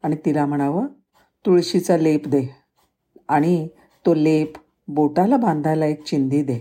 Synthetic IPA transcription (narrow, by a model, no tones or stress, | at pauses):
aɽ̃it̪ilam̤əɽ̃aʋə | t̪uɭɕit͡salepd̪e | aɽ̃i | t̪olep | boʈalabãnd̪ʱajlaek̚t͡ɕind̪iːd̪e